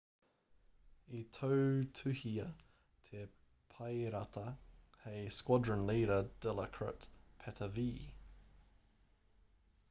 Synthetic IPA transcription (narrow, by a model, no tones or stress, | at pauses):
it̪ʰəʉt̪ʰʉhiə | t̪ʰe | pʰaɪɾat̪ʰə | heɪskwɔdɹənliːɾəd̥ɛləkʰɹə̰tpʰɛtʰəviː